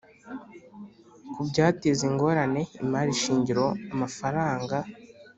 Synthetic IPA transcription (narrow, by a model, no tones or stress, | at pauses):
kubɟaːteziŋɡo̞ɾane̞imaːɾiʃiːɲɟiɾo̞amafaɾaːŋɡa